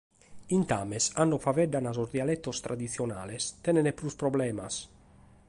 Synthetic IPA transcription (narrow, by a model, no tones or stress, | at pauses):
int̪aːmesanːofavɛɖ̪anazozd̪jalɛt̪ːost̪ɾad̪it̪sjona̰ːlest̪ɛnenepɾuspɾoblɛːmas